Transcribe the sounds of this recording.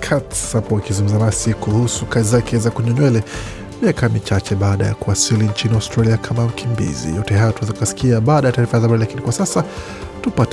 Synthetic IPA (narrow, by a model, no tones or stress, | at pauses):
kʰatsapɔakizuŋɡum̩zamasikuhusukazizakʰɛzakuɲɔɲwɛlɛ | miakamit͡ʃat͡ʃɛɓaːɗa̰ja̰kuasilint͡ʃiniawstɾaliakʰamam̩kimbḭzḭjɔtɛɦajɔtuɛzaukasi̥kiaɓaːɗajataːɾifazabaɾilakinikwasasa | tupat